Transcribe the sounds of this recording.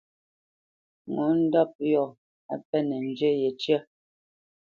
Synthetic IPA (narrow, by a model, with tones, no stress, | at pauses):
ŋɔ˨˦n̩˦dɔ˦p̚jɔ˨ | a˨pɛ˦nɛ˨n̩˨d͡ʒe˦jɛ˨t͡ʃjə˦